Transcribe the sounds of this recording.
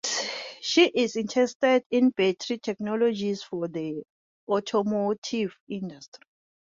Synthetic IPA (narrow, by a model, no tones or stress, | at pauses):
ʃiʔizĩntʰɛstɛdĩnbɛtʰɹitʰɛknɔlod͡ʒisfɔd̪i | ɔtʰɔmotʰivĩndastri